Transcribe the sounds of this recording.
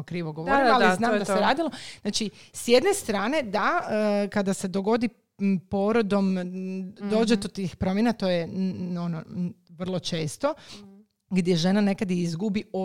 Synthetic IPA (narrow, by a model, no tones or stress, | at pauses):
okɾiːʋoɡoʋoɾializnaːmd̪aseɾaːd̪iloznaːt͡ʃisje̞d̪ne̞st̪ɾaːne̞d̪aəkad̪ase̞d̪o̞ɡo̞d̪i | poɾod̪o̞m | d̪o̞ːd͡ʒet̪ot̪iːxpɾo̞mjenat̪o̞jeonoʋr̩lˠo̞t͡ʃe̞ːst̪o̞ | ɡd̪ʲje̞ʒe̞nane̞kad̪iizɡubio